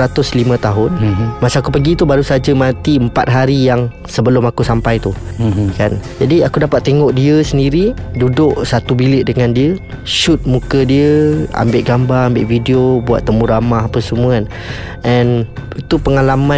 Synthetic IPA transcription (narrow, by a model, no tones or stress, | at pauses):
ɾat̪ʊslimə̃t̪aɦʊnmasaakupəɡit̪ubaɾusad͡ʒəmãt̪iəmpat̪̚ɦaɾijaŋ | səbəlʊmakusampajt̪ukand͡ʒadiakudapat̪ːeŋɔʔdiəsəndiɾidudʊʔsat̪ubilɪʔ̚dəŋandiə | ʃʊt̪̚mũkədiəa̰mbɪʔɡambaɾambɪʔfideobua̰t̪ːəmũɾamaɦapəsəmuən | ʔɛnit̪upəŋalamã